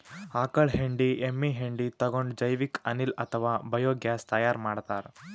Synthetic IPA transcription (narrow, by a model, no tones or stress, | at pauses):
aːkɐɭɦeɳɖiemːiɦeɳɖit̪ɐɡoɳɖd͡ʒɐjʋikɐnilɐt̪ʰɐʋaːbɐjoːɡjaːst̪ɐjaːɾmaːɽt̪aːɾ